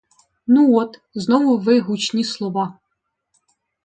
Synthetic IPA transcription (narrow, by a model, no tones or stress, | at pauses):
nuɔt̪znɔʋʊʋɪɦut͡ʃnʲislˠɔʋɑ